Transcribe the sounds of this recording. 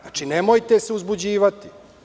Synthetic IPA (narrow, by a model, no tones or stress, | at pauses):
at͡ʂinemojt̪e̞seuzbud͡ʑiːʋat̪i̥